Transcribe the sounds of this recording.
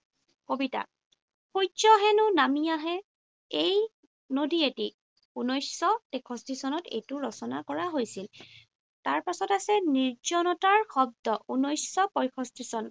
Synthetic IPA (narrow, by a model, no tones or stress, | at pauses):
kobita̰ | pʰujt͡ʃɔɦɛnʊnamijaɦɛ | ej | nodieti | unɔjsːɔtɛkʰɔstisɔnɔtḛjtʊɹɔsɔna̰kɔɹaɦojsil | taɹpasɔtasɛniɹd͡ʒɔnɔtaɹxɔb̚dɔʔunɔjsɔpɔjkʰɔstisɔn